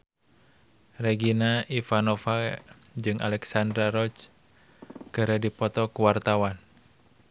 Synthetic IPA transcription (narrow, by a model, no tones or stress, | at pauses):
reɡinaʔifanɔfa | d͡ʒɨŋʔa̰lɛksandɾaɾɔt͡ʃ | kəɾədipɔt̪ɔkuwart̪awan